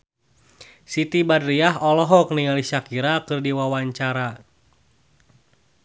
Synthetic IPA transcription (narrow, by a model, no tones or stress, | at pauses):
sit̪ibadɾiaɦɔlɔɦɔk̚niŋaliʃakiɾakɨrdiwawaɲt͡ʃaɾa